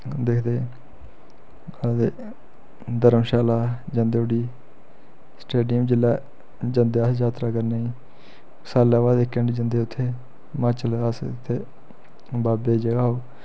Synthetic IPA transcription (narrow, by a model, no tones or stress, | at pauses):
d̪eːkʰd̪eː | ad̪eː | d̪əɾəmʃaːlaːd͡ʒə̃nd̪eːoɽiː | sʈeːɖɪjəmd͡ʒɪlːɛː | d͡ʒənd̪eːəsd͡ʒaːt̪ɾaːkəɾnaːiː | saːlːaːʋaːd̪ɪkːə̃ɳɖd͡ʒənd̪eːʊt̪ʰːeː | maːt͡ʃələst̪ʰːeː | baːbeːd͡ʒəɡaːoː